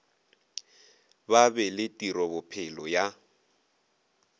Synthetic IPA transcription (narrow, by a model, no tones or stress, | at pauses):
babɛlɪtʼiɾɔbʊpʰɪlɔja